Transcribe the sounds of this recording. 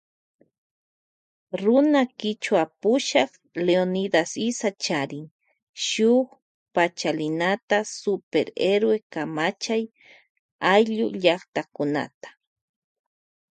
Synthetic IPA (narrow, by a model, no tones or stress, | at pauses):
ɾʊnakɪt͡ʃwapʊʃɑχ | leonid̪asɪsat͡ʃaɾɪŋ | ʃʊχ | pat͡ʃalɪnat̪asʊpeɾeɾwekamat͡ʃaj | ajʎʊ̰ʎɑχt̪akʊna̰t̪ḁ